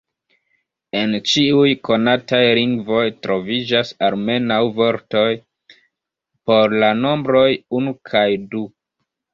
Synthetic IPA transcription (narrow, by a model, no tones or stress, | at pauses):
e̞nt͡ʃiujko̞natajliŋɡvo̞jtɾo̞vid͡ʒasaɾme̞nawvo̞ɾto̞j | po̞ɾlano̞mbɾo̞junukʰajdu